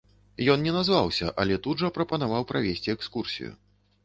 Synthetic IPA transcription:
jɔnnʲɛnazvawsʲɐ̰ʔa̰lʲɛt̪ud̪ʐɐpɾɐpɐnavawpɾʔavʲesʲt͡sʲiɛkskursʲḭjṵ

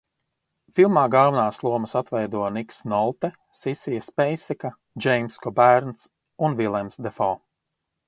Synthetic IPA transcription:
filˠmaːɡalˠvunaːslˠuɔməsat̪vɛjd̪uɔniksnɔlˠt̪ɛ | sisijɐspɛjsɛka | d͡ʒɛjmskɔbæɾns | unvilˠɛmsd̪ɛfɔː

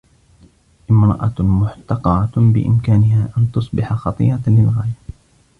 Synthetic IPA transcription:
ʔɪmɾˤɑ̰ʔɑmʊħt̪ɑqɑbɪ̰ʔɪ̰mkaːnɪhaːʔant̪ʊsˤbɪħaxɑt̪ˤḭːɾɑlɪlɣaːja

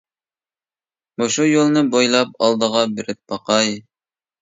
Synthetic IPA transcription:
moʃujolˠnɨbojlˠɑp̚ɑlˠd̪əʁɑbɪɾɪt̪̚bɑqɑj

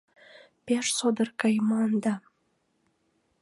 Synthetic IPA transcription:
peʃsod̪ərkɑjmɑnd̪ɑ

